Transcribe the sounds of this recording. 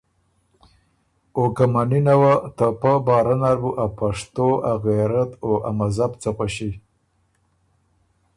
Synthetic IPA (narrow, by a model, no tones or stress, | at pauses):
okamaninawat̪apabɑːɾanaɾbuʔapaʂt̪oaɣeɾat̪oʔamazabt͡saxʷaʃi